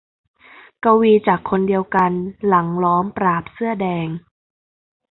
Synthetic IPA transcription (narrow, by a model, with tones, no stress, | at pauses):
ka˧wiː˧t͡ɕaː˨˩kʰːo˧ndi˧əwka˧nla˩˦ŋlɔː˦˥mpɾaː˨˩p̚sɯ˥˩ɐdɛː˧ŋ